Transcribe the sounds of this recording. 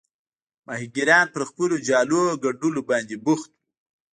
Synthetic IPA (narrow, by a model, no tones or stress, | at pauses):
mahiɡiɾɑnpəɾxpəlod͡ʒɑloɡaɖulobɑnd̪ebʊxt̪wu